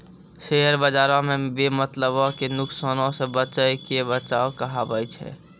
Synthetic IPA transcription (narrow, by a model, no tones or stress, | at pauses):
ʃeɦəɾbəd͡ʒaːɾõmẽbemət̪ləbokenʊksanõsebət͡ʃəjkebət͡ʃaːokəɦabət͡ʃʰɛ̰